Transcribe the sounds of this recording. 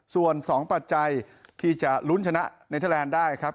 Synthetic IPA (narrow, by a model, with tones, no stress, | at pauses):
su˨˩ənsɔː˩˦ŋpa˨˩t̪̚t͡ɕa˧jt̪ʰiː˥˩t͡ɕa˨˩lu˦˥nt͡ɕʰa˧na˦˥ʔna˧jt̪ʰa˥˩lɛː˧ndaː˥˩jkʰɾa˦˥p̚